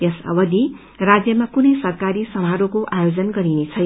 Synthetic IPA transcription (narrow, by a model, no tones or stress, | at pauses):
jʌsʌ̰bʌd̪i | rad͡zjʌmakunʌjsʌrkaɾisʌmɦaɾokoʔajod͡zʌnɡʌɾinet͡sʰʌj